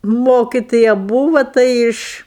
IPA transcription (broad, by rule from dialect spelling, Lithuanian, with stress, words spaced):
ˈmoːkʲɪtoːjɛ ˈbuːʋɐ ˈtɐɪ ɪʃ